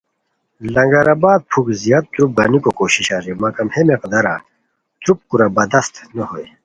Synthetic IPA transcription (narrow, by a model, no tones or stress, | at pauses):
lɐŋɡɐɾaːbaːd̪̚pʰukzijaːd̪̚t̪ɾup̚ɡanikokoːɕiɕaːɾimaːkɐmhemeqɐd̪ɐɾaː | t̪ɾup̚kuɾabɐd̪ɐst̪nɐɦoj